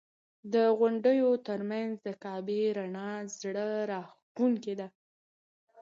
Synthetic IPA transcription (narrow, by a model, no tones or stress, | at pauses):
d̪əɣʊɳɖəjot̪əɾmanzd̪əkɑbeɾaɳɑzɽəɾɑx | kuŋked̪a